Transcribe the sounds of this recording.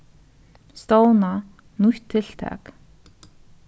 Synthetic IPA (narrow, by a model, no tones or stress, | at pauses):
st̪ɔwna | nuhʲt̪ʰːeɬt̪ʰæ̰ːk